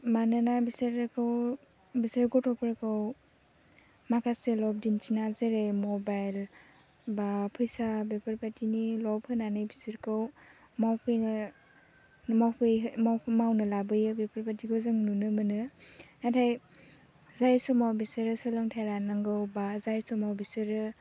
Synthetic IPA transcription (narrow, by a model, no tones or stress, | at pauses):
manɯnabiseɾkʰɯw | biseɾɡɔtʰɔpʰɯɾɯkʰɯw | makʰaselɔb̚dint͡ʃinazeɾemɔbajl | bapʰɯjsabepʰaɾpatinilɔbhɯnanɯjbisiɾkʰɯw | mawpʰɯjnɯ | mawpʰɯjmawpʰmawnɯlabɯjɯbepʰɯɾpatikʰozɯŋnunɯmɯnɯnatʰaj | zajsɔmawbisɯɾɯsɯlɯŋtʰajɾanɯŋɡɯwbazajsɔmawbisɯɾɯ